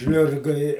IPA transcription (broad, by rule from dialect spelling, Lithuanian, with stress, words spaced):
ˈʒʲlʲʊrɡɐ ɪ